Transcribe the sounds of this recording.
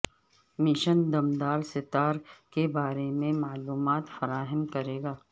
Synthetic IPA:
mɪʃənd̪ɐmd̪aːlsɪt̪aːɾkebaːɾemẽmaːluːmaːt̪fɐɾaːɦəmkɐɾeːɡaː

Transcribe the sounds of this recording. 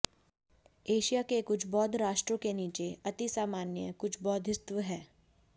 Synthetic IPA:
eːʃijakekʊt͡ʃʰbɔːd̪ʱɾaːʃʈɾõkeniːt͡ʃeɐt̪isaːmaːnjəkʊt͡ʃʰbɔːd̪ʱɪst̪ʋəɦɛː

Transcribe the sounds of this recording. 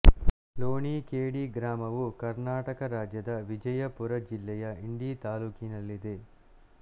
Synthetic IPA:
loːniːkeːɽiːɡɾaːmɐʋukɐɾnaːʈɐkɐɾaːd͡ʒjɐd̪ɐʋid͡ʒɐjɐpuɾɐd͡ʒilːɛjɐiɳɖiːt̪aːluːkinɐlːid̪e

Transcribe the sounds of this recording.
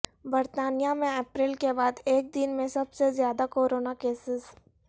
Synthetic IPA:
bɐɾt̪aːnijamẽeːpɾɪːlkebaːd̪eːk̚d̪ɪnmẽsɐbsezjaːd̪akoːɾoːnakeːsɪs

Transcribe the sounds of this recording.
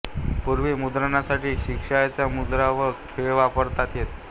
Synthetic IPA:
puɾʋemud̪ɾaɳasaʈiːɕikʂajat͡ɕjamud̪ɾaʋəkʰeɭʋapəɾt̪at̪jet̪

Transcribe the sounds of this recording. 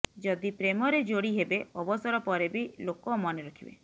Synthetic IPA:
d͡ʒɔd̪ipɾemɔɾed͡ʒoɽiɦebeɔbɔsɔɾɔpɔɾebilokɔmɔneɾɔkʰibḛ

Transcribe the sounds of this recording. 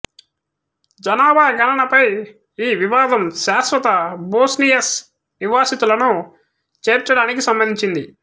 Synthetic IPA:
d͡ʒɐnaːbaːɡɐnɐɳɐpɐj | iːʋiʋaːd̪ɐmʃaːsʋɐt̪ɐboːsnijɐs | niʋaːsit̪ulɐnu | t͡ʃeːɾt͡ʃːɐɽaːnikisɐmbɐnd̪ʱiɲt͡ʃind̪i

